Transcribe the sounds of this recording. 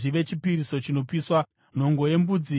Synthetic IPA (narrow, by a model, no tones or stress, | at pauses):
ʐiʋe̞t͡ʃipiriso̞t͡ʃino̞piswa | n̤o̞ŋɡo̞je̞mbud͡zi